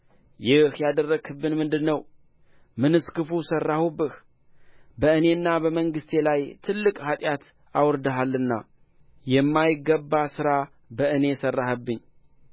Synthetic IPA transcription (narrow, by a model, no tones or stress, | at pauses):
jɪhjad̪ərːəɡɨbːɨnmɨnd̪ɨnːəw | mɨnɨskɨfusərːahubːɨh | bəɨne̞ɨnːabəməŋɡɨst̪ʰelajt̪ʰɨlːɨkʼhat̪ʼjat̪ | awɨɾd̪əɦalːɨnːa̰ | jɛmːajɪɡːəbːasɨɾa | bəʔɨne̞sərːahəbːɨɲː